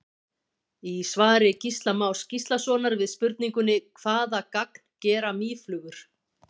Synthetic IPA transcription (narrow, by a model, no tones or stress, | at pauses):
isvaːɾɪcist̪lamawscist̪lasɔːnaɾvɪðspʏɾt̪niŋkʏnɪkʰvaːðakak̚n̥cɛːɾamiːflʏːɣʏɾ̥